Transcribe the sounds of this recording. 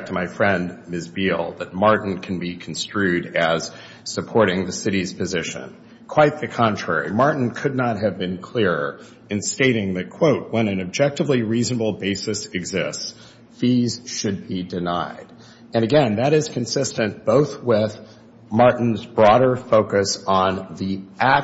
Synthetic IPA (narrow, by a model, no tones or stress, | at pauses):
tʰəmaɪfɹɛ̃ndmɪsbilˠðɨt̚mɑɹʔn̩kʰn̩bikʰn̩stɹ̥ʉɾɨz̥ | sɨpʰɔɹɾɪ̃ŋðɨsɪɾiz̥pʰɨzɪʃɨ̰̃n | kʰw̥aɪt̪̚ðɨkʰɑ̃ntʰɹ̥ɛ̰ɹḭmɑɹʔn̩kʰɨdⁿnət̚ɦɨvbɨ̃nkʰl̥ɪɹ | ɨ̃nsteɪɾɪ̃ŋðɨt̚kʰw̥oʊt̚wə̃nɨ̃nɨb̚d͡ʒɛk̚tɨvliɹiznəbl̩ˠbeɪsɨsɨɡzɪsts | fiz̥ʃɨd̚bidɨnaɪɾ | ɨ̃ñɨɡɛ̃nðɨɾɨz̥kʰɨ̃n̩sɪstɨ̃nb̥oʊθwɪð̥ | mɑɹʔn̩zbɹɔɾə˞foʊkɨsn̩ðiʔæ